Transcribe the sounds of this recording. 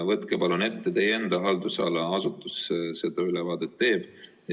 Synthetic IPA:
vɤt̪kepɑlune̞t̪ːet̪e̞jend̪ɑɦɑld̪usɑ̰ːlɑɑsut̪ːˑusse̞d̪̥ɑylɛvɑːd̪̥et̪ːe̞ːb̥

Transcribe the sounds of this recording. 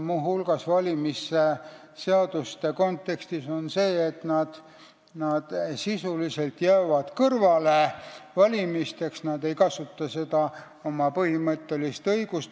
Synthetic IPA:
muːɦulɡ̥ɑsvɑlʲimise | se̞ɑd̪̥ust̪e̞ko̞nt̪ːˑe̞kst̪iso̞nse̞ːt̪nɑd̪̥ | nɑd̪̥sisulise̞lt̪jæːvɑd̪̥kɤrvɑlevɑlʲimist̪e̞ksnɑd̪̥e̞jkɑsut̪ːɑse̞d̪̥ɑ | omɑpɤhimɤt̪ːe̞list̪ɤjɡ̥ust̪

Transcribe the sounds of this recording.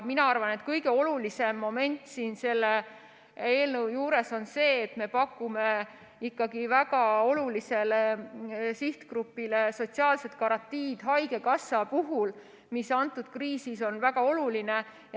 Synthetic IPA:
minɑɑrvɑne̞t̪kɤjɡe̞o̞lulise̞mːo̞me̞nʲt̪ˑsiːnse̞lːe | eːlnəwjuːɾe̞so̞nse̞ːt̪me̞pɑkːume̞ | ikːɑɡivæɡɑo̞lulise̞lesiht̪kɾupːile̞so̞t̪siɑːlse̞t̪̚ˑkɑɾɑnt̪ːiːd̪̥ɦɑjɡ̥e̞kɑsɑpuɦul | misɑnt̪ːˑud̪̥̚kriːsiso̞nvæɡ̥ɑo̞luline̞

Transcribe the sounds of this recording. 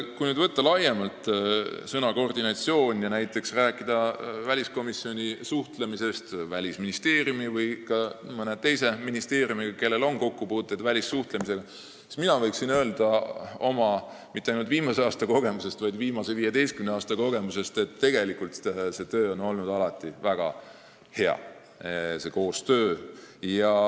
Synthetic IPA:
kujnyːd̪vɤt̪ːɑlɑjemɑlt̪ˑsɤnɑko̞rd̪inɑt̪sio̞ːnʲjɑnæjt̪ˑːe̞ksræːkːˑid̪̥ɑvælʲisko̞misːio̞nʲisuht̪le̞mise̞st̪vælʲisminist̪e̞ːrjumivɯjkɑmɤnet̪ːe̞jse̞minist̪e̞ːrjumiɡ̥ɑke̞lːe̞lo̞nko̞kːupuːt̪ːˑejd̪vælʲisːuht̪lemis̬e̞ɡ̥ɑ | si̥st̪minɑvɤjksinø̞ːld̪̥ɑo̞mɑ | mit̪ːeɑjnult̪viːmɑseɑːst̪ɑko̞ɡ̥e̞muse̞st̪vɑjd̪viːmɑse̞viːjed̪e̞jst̪kymneɑːst̪ɑko̞ɡ̥e̞muse̞st̪e̞t̪ːe̞ɡ̥e̞likult̪se̞t̪ø̞ːo̞no̞lnud̪ɑlɑt̪ːˑivæɡ̥ɑ̰ | he̞ɑ̰ | se̞ko̞ːst̪øːjɑ

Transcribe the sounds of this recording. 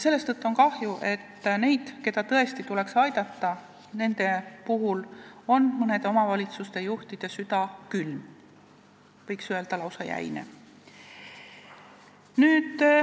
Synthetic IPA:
se̞lːe̞st̪ɤt̪ːˑuo̞nkɑhjuʔe̞t̪ːne̞jd̪̥ke̞d̪̥ɑt̪ɤe̞st̪it̪ule̞ksɑjd̪̥ɑt̪ːɑ | ne̞nd̪̥e̞puɦulo̞nmɤne̞d̪̥e̞o̞mɑvɑlʲit̪sust̪e̞juht̪id̪̥esyd̪̥ɑkylm | vɤjksye̞ld̪̥ɑlɑwsɑjæ̰jnḛ | nyːd̪̥

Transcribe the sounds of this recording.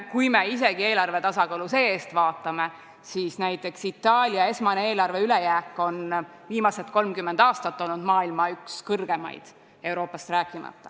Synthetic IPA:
kujme̞is̬e̞ɡ̥ie̞ːlɑrve̞t̪ɑsɑkɑːluse̞ːeːst̪vɑːt̪ːˑɑme̞ | siːsnæjt̪ːˑe̞ksit̪ˑːɑːlʲjɑe̞smɑnee̞ːlɑrve̞yle̞jæːkːˑo̞n | viːmɑse̞t̪ko̞lmkymːend̪ɑːst̪ɑt̪ːo̞lnud̪mɑːilmɑykskɤrɡ̥e̞mɑ̰jd̪̥ | e̞wɾo̞ːpːˑɑst̪ræːkˑːimɑ̰t̪ːˑɑ̥

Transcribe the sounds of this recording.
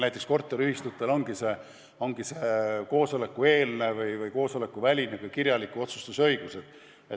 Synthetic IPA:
næjt̪ˑe̞ksko̞rt̪ːˑeɾyhist̪ut̪ːˑelo̞ŋɡ̥ise̞ | o̞ŋɡ̥iseːko̞ːso̞le̞kːue̞ːlne̞vɯjvɯjko̞ːso̞le̞kːˑuvælʲinekujkiɾjɑlikːˑuo̞t̪su̥st̪usɤ̞jɡ̥use̞d̪̥ | e

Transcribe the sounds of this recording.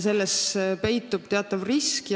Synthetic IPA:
se̞lːespe̞jt̪ːˑub̥̚t̪eɑt̪ːˑɑvriskj

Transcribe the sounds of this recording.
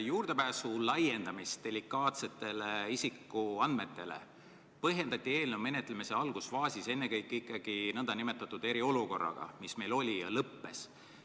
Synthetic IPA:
juːrd̪e̞pæːsulɑje̞nd̪̥ɑmist̪̚d̪̥e̞likːˑɑːt̪se̞t̪ːe̞leisikːˑuɑnd̪̚me̞t̪ːe̞le̞̰ | pɤɦje̞nd̪̥ɑt̪ʲːˑie̞ːlnume̞ne̞t̪ːˑlemise̞ɑlɡ̥usfɑːsʲise̞nːe̞kɤjkːˑikːˑɑɡ̥inɤnd̪̥ɑnime̞t̪ːˑɑt̪ːˑud̪̥e̞ɾio̞luko̞rːɑ̰ɡ̥ɑ̰misme̞jlo̞lʲijɑlɤpːe̞s

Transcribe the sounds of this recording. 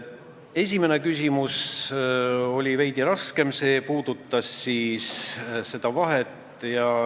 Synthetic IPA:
e̞sʲime̞ne̞kysʲimus | o̞lʲivejd̪̥iɾɑske̞mse̞ːpuːd̪̥ut̪ːˑɑsːiːsse̞d̪̥ɑvɑɦet̪ˑ | jɑ

